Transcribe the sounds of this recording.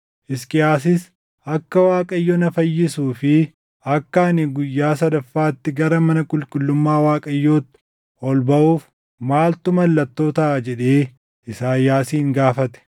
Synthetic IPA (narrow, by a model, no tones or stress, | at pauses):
ʔɪskʼɪjaːs̬ɪs | ʔɐkːɐwaːkʼɐjːɔnɐfɐjːɪsuːfɪ | ɐkːaːnɪɡʊjːaːsɐd̪ɐfːaːt̪ːɪɡɐɾɐmɐnɐkʼʊlkʼʊlːʊmːaːwaːkʼɐjːoːt̪ːɪ̥ | ɔlbɐʔuːf | maːlt̪ʊmɐlːɐt̪ːo̞ːt̪ad͡ʒɛᶑeː | ʔɪsaːjaːsiːŋɡaːfɐt̪ɛ̥